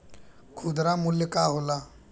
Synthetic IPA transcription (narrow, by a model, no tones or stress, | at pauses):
kʰud̪ɾamuljəkaɦola